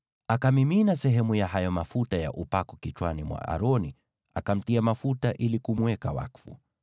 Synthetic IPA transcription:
akamiminasɛɦɛmujaɦajɔmafutaja̰ʔupakɔkit͡ʃwanimwa̰ʔa̰ɾɔni | a̰kam̩tiamafutaʔilikumwɛkawa̰kfṵ

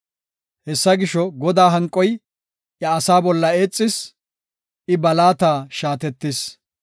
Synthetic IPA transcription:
hɛsːɐɡɪʃɔɡɔd̪aːɦɐŋkʼːɔj | ʔjɐːsaːbɔlːɐe̞ːt͡sʼːɪs | ʔɪbɐlaːt̪aːʃaːt̪ɛt̪ːɪs

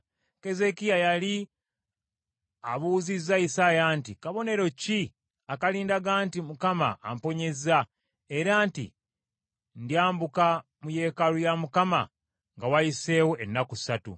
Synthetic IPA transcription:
ke̞ze̞kijajali | aβuːzizːaisaːjaːntikaβo̞ne̞ɾo̞ci | akaliːndaɡaːntimukama̰ʔːmpo̞ɲe̞za | e̞ɾaːntḭ | ndjaːmbuka | muje̞ːkalujamukama̰ | ŋɡawajise̞ːwoenːakusatṵ

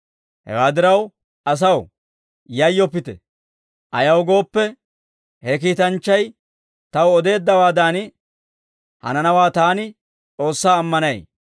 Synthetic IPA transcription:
hɛ̰waːd̪ɪɾɐw | ɐs̬ɐw | jɐjːɔpːɪt̪ɛ̰ | ʔɐjɐwɡo̞ːpːɛ | hɛk̬iːt̪ɐnt͡ʃːɐj | t̪ɐwɔd̪e̞ːd̪ːɐwaːd̪aːn | hɐ̰nɐnɐwaːt̪aːnɪ | t͡sʼo̞ːsːaːmːɐnɐj

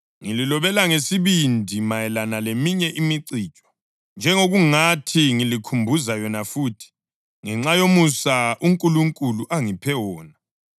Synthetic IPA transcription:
ŋililɔβɛlaŋesiβindʱimajɛlanalemiɲɛʔimiǀiːt͡ʃʼɔ̥ | nd͡ʒʱɛŋoɣuŋatʰiŋilikʰumbʱuzajɔnafuːtʰi̥ | ŋɛŋ͡ǁajomusaʔuŋkʼuluŋkʼuluʔaŋipʰɛwɔːna

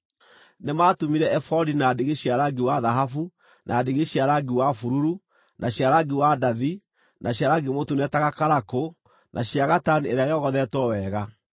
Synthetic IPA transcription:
nemaːtomiɾɛɛfɔdinadeɣeɕiaɾaɡiwaðaɦafu | nʔadeɣeɕiaɾaɡiwafuɾuɾu | nʔaɕjaɾaɡiwadaði | nʔaɕiaɾaɡemotunɛtaɣakaɾako | nʔaɕjaɣatanieɾeajɔɣɔðɛtwɔwɛɣa

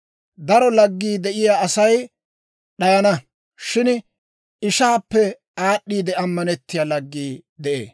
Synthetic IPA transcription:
d̪ɐɾɔlɐɡːiːd̪ɛʔɪjaːɐsɐj | ɗɐjɐnɐ | ʃɪn | ɪʃaːpːɛ | aːɗːiːd̪ɛɐmːɐnɛt̪ːɪjaːlɐɡːiːd̪ɛʔḛː

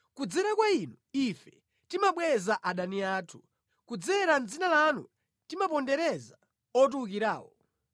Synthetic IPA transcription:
kud͡zɛɾakwainuifɛ̥ | timaɓwɛzaʔaɗaniaːtʰu̥ | kud͡zɛɾand͡zinalanṵ | timapɔndɛɾɛza | ɔt̬uuk̬iɾa̰ːwɔ

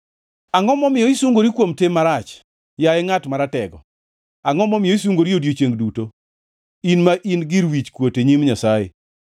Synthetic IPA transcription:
aŋɔmɔmɪjɔisuŋɡoɾikwomtemaɾat͡ʃ | jaɛŋatmaɾatɛɡɔ̰ | aŋɔmɔmɪjɔis̬uŋɡoɾiodjot͡ʃeŋɡduto | inmaʔinɡiɾwit͡ʃkwoteɲimɲasajḛ

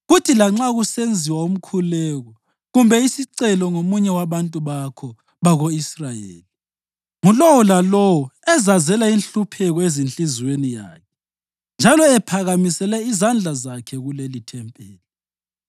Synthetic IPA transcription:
ɣutʰilaŋ͡ǁaɣusend͡zʱiwaum̩kʰulɛɣɔ | ɣumbʱɛisiǀɛlɔŋomuɲɛwaβantʼuβakʰɔ | βaɣoisrajḛːli | ŋulɔwɔlalɔwɔɛzazɛlainɬupʰɛɣɔezint͡ɬʼizwenija̰ːkʰɛ̥ | nd͡ʒʱalɔɛpʰaɣamisɛlɛizand͡ɮʱazakʰɛɣulelitʰɛmpʼɛːli

